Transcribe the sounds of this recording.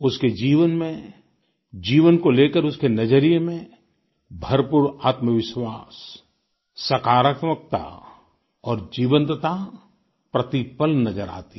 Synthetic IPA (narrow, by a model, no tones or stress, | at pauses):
ʊsked͡ʒiːʋənmẽ | d͡ʒiːʋənkoleːkəɾʊskenɐd͡ʒəɾijemẽ | bʱɐɾpuːɾaːt̪məʋɪʃwaːs | sɐkaːɾəkmək̚t̪a̰ | ɔːɾd͡ʒiːʋə̃nt̪t̪a | pɾɐt̪ipəlnɐd͡ʒəɾa̰ːt̪i